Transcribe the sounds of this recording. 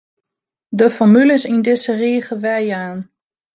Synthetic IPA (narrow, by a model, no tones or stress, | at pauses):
dəfɔɹmyləsindɪsəriːɣəʋɛjaːn